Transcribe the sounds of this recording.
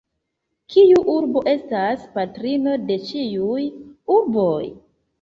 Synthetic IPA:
kijuʔuɾbo̞ʔe̞staspatɾino̞de̞t͡ʃiujuɾbo̞j

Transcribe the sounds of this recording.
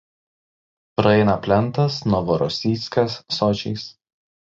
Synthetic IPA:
pɾɐɛɪnɐpʲlʲɛnˑt̪ɐsnɔʋɔɾɔsʲiːˑt̪sʲkɐsːɔt͡ʃʲɛ̰ɪs

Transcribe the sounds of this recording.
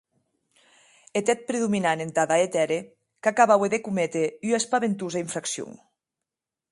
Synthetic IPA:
et̪ɛt̪̚pɾeðuminanent̪aðaet̪ɛɾe | kakaβaweðekumet̪eyespaβent̪uzaiɱfɾaksjṵŋ

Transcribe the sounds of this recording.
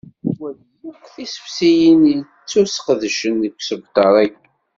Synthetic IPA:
wæl | jukθisə̥fsijin | t͡sːusqəðʃənəkʷːsəvt̪ɑɾˤæɡ

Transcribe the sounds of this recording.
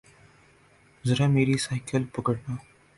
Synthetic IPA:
zɐɾaːmeːɾisaɪkəlpəɡəɽnãː

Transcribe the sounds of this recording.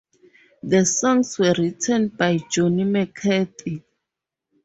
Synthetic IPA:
ðəsɔ̃ŋswɛɹitʰɛ̃nbajd͡ʒɔnimɛkʰɛθʰi

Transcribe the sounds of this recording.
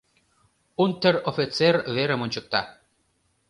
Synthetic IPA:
unt̪ərofit͡serβeɾə̆monʲt͡ɕɤ̆k̚t̪ɑ

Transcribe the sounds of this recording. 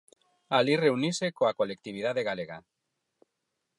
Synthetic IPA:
alire̞unisekoakolek̚t̪iβ̞ið̞aðeɣaleɣ̞a̰

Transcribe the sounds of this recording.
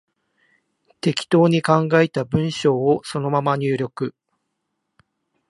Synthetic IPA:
t̪e̞kʲi̥t̪o̞ːɲ̟ikãŋɡaet̪abɯ̟̃ɰ̃ɕo̞ːoso̞no̞mamaɲ̟ɨːɾʲo̞kɯ̟

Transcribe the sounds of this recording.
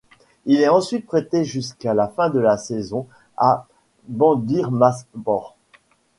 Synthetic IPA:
ilɛɑ̃sɥit̪̚pχet̪eʒyskalafɛ̃d̪əlasɛzɔ̃ | a | bɑ̃d̪iʁmasbɔʁ

